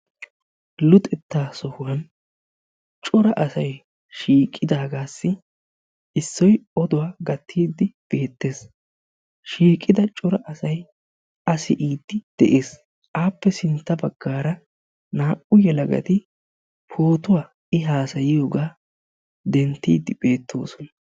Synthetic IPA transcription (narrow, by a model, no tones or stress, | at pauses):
lʊt̪ʼɛt̪ːaːsɔhʊwɐn | t͡ʃʼʊɾɐʔɐsɐj | ʃiːkʼːɪd̪aːɡaːsːɪ | ɪsːɔjɔd̪ʊwaːɡɐt̪ʰːiːd̪ːɪb̥e̞ːt̪ːe̞ːs | ʃiːkʼːɪd̪ɐt͡ʃʼʊɾɐʔɐsɐj | ʔɐsɪʔiːd̪ːɪd̪̥ɛʔeːs | ʔaːpːɛsɪnt̪ːɐbɐɡːaːɾɐ | naːʔʊjɛlɐɡɐ̰t̪ɪ | pʰoːt̪ʊwaː | ɪɦaːsɐjɪjoːɡaː | d̪ɛnt̪ːḭːd̪ɪb̥e̞ːt̪ʰːo̞̰ːsɔnɐ